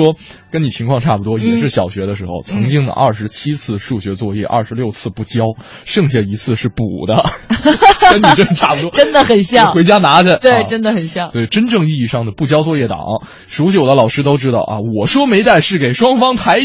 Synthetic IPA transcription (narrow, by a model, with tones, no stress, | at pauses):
wɔ˥ | kə˥ni˨˩t͡ɕʰi˧˥ŋkʰwɑ˥˧ŋʈ͡ʂʰa˥˩pu˩t̪wɔ˥i˨˩ʂɻ̩˥˩ɕjɑ˨˩ʊɕɥɛ˧˥d̪ə˧ʂɻ̩˧˥xo̰˧ʊt͡sʰɤ˧˥ŋt͡ɕi˥ŋd̪ə̰˩ʔɐ̰˥˩ʂɻ̩˧˥t͡ɕʰi˥t͡sʰɹ̩˥˩ʂu˥˩ɕɥɛ˧˥t͡swɔ˥˧jɛ̰˥˩ʔɐ̰˥˩ʂɻ̩˧˥ljo˥˧ʊt͡sʰɹ̩˥˧pu˥˩t͡ɕjɑ˥ʊ | ʂɤ˥˧ŋɕɛ˥˩i˧˥t͡sʰɹ̩˥˧ʂɻ̩˥˩pṵ˨˩d̪ə˦ | kə˥ni˨˧˩ʈ͡ʂə˥ŋʂə˧˩ʈ͡ʂʰa˥˩pu˧t̪wɔ˥ʈ͡ʂə˥nd̪ə˨xə˨˩nɕjɑ˥˩xwe˧˥ɪt͡ɕja˥na˧˥ɾə˧t̪we˥˩ɪʈ͡ʂə˥nd̪ə˨xə˨˩nɕjɑ˥˩ŋt̪we˥˩ɪʈ͡ʂə˥nʈ͡ʂɤ˥˧ŋi˥˧i˥˧ʂɑ˥˩ŋd̪ə˩pu˥˩t͡ɕjɑ˥ʊt͡swɔ˥˧jɛ˥˩t̪ɑ̰˨˩˦ŋɐ˥ | ʂu˧˥ɕd̪ə˦lɑ˨˩ʊʂɻ̩˥t̪o˥ʊʈ͡ʂɻ̩˥t̪ɑ̰˥˩ʊɐ̰˧wɔ˨˩ʂwɔ˥me˧˥ɪt̪a˥˧ɪʂɻ̩˥˩ke˨˩ɪʂwɑ˥ŋfɑ˥ŋt̪ʰa˧˥ɪ